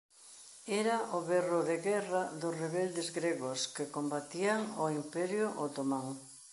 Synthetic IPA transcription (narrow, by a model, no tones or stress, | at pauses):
ɛɾaʔʊβɛrʊðeɣɛraðʊsreβɛld̪ezɡɾeɣʊskekombat̪iaŋoimpɛɾjʊʔot̪omaŋ